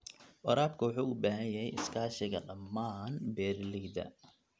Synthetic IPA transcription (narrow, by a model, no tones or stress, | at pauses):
wɐ̰ɾaːbkʰʊwɑħuːʊbaːɦɐjjɐɦɛjʔɪskʰaːʃɪɣɐ̰ɖɐmːaːnbɛːrlɪɡd̪ɐ̰